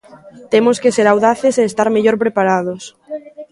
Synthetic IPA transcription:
t̪emoskeseɾawðaθeseːst̪aɾmeʎoɾpɾepaɾað̞os

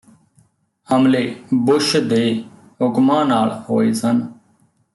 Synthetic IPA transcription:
əmleːbʊʃd̪eː | ɦʊkmãːnaːɭhoːeːsən

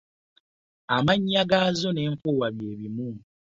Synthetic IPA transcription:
amaɲːaɡaːzo̞ne̞ːɱfuwaβje̞ːβimu

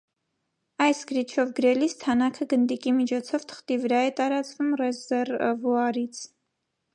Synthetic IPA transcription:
ɑjsɡ̥əɾit͡ʃʰɔvɡəɾɛlist̪ʰɑnɑkʰəɡənd̪ikimit͡ʃʰɔt͡sʰɔvt̪ʰə̥χt̪ivəɾɑɛt̪ɑɾɑt͡svumrɛzɛrvuɑɾit͡sʰ

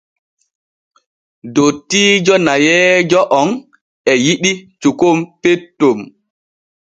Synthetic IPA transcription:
dotiːd͡ʒɔnajɛːd͡ʒɔʔɔn | ɛjiɗit͡ʃukompetːom

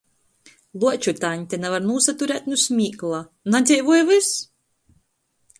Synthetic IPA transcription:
lˠut͡ʃut̪aːɲt̪ʲɛnavaɾnuːsat̪uɾæːt̪̚ʲnusmʲiːklˠa | nad̪zʲɛjvuɔjvɨs

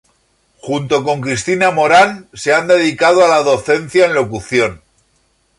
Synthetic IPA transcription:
xunt̪o̞ko̞ŋkɾist̪inamo̞ɾanse̞and̪e̞ð̞ikað̞oalaðo̞θe̞n̟θjaenlo̞kuθjo̞n

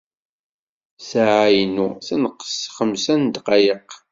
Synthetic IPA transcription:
saʕajnuθænəqːə̥sχəmsænd̪qɑjəq

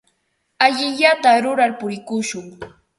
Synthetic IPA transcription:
aʎɪʎat̪aɾʊɾaɾpʊɾɪkʊʃʊŋ

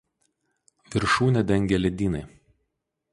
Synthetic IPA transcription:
ʋʲɪɾʃuːnʲɛd̪ʲɛŋʲɡʲɛlʲɛd̪ʲiːnɐɪ

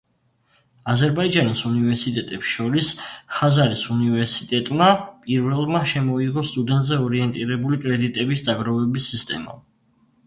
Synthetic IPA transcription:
azɛɾbaid͡ʒanisunivɛɾsit̪ʼɛt̪ʼɛpsʃɔɾisχazaɾisunivɛɾsit̪ʼɛt̪ʼmapʼiɾvɛlˠmaʃɛmɔiʁɔst̪ʼud̪ɛnt̪ʼzɛɔɾiɛnt̪ʼiɾɛbulikʼɾɛd̪it̪ʼɛbisd̪aɡɾɔvɛbisːist̪ʼɛ̰ma̰

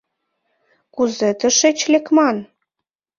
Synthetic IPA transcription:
kuzet̪ə̆ʃet͡ɕlekmɑn

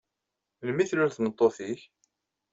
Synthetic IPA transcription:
lmiθluɾθnət̪ˤːoθiç

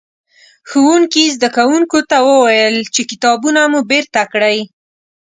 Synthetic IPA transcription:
xuwuŋkizd̪akawuŋkot̪awəwajəlt͡ʃekɪt̪ɑbunamubeɾt̪akɽəj

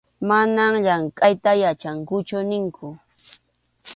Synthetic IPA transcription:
manamʎaŋkʼajt̪ajat͡ʃaŋkʊt͡ʃʊnɪŋkʰʊ

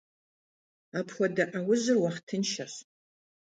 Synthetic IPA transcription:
apʰχʷɐdɐʔawʊʑɪrwaχtʰɨnʃɐɕ

